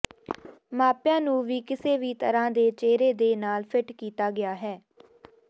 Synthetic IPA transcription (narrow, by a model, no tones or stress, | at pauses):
maːpjãːnũːʋiːkɪseːʋiːt̪əɾãːd̪eːt͡ʃeːɾeːd̪eːnaːlpʰɪʈkiːt̪aːɡɪaːɦɛː